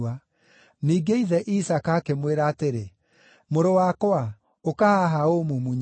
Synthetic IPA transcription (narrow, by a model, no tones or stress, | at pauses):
a | niːɡeiðɛʔisakaːkemweɾaːteɾe | moɾowakwa | okahaɦaomumuɲ